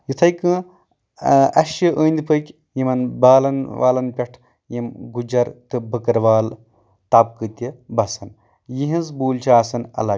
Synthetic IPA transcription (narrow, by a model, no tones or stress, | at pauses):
jit̪ʰɐjkɨ̃ | ɐ̰ʃjiʔəːnʲd̪ipʰəkʲ | jimɐnbaːlɐnʋaːlɐnpʲɐʈʰ | jimɡud͡ʒɐɾt̪ɨbəkɐɾʋaːl | t̪ɐb̚kɨt̪ʲibɐsɐn | jiɦĩnzbuːlʲt͡ʃʰaːsɐnɐ̰lɐ